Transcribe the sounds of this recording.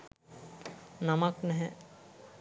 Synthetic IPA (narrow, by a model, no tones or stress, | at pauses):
namaknɛɦɛ